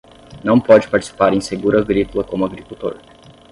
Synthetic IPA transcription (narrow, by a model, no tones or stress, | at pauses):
nɐ̃w̃pɔd͡ʒɪ̥paɾt͡ʃi̥si̥paɾẽj̃seɡuɾɐɡɾikulɐkõmʊaɡɾikuwt̪o̰ɾ